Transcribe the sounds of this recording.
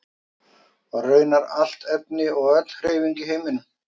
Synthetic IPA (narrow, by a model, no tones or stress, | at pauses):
aɣrœːɥnaɾal̥t̪ɛp̚nɪɔɣœt̪l̥kɾejviɲcɪheːjmɪnʏ